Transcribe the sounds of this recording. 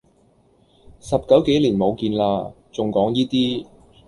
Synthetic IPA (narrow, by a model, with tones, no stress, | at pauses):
sɐ˨˩p̚kɐ˨˥wke˨˥jliː˨˩nmo˨˧wkiː˧nlaː˧ | t͡sʊ˨ŋkɔː˨˥ŋjiː˥t̪iː˥